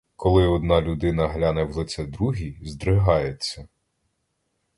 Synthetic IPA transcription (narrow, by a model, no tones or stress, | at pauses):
kʰɔlˠɪɔd̪nɑlʲʊd̪ɪnɐɦlʲanɛwlˠɪt͡s̪ʲɛd̪ɾuɦʲizd̪ɾɪɦɑjet͡sʲːɐ